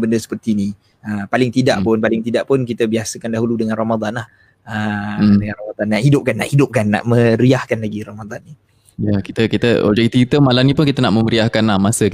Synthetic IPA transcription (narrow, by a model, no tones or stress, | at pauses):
bəndəsə̥pərt̪ini | əpalɪŋt̪idaʔpʊnpalɪŋt̪idaʔpʊnk̬it̪əbiasəkandaɦuludəŋãnromad̪anlah | ədəŋanromad̪anaʔhidʊp̚kanːa̰ʔhidʊp̚kanːa̰ʔmə̃ɾiahkanlaɡiɾomad̪anːi | jakit̪əkit̪əɔ̰d͡ʒɛkit̪it̪əmalanĩpʊnkit̪ənaʔməməɾiahkanlahmasək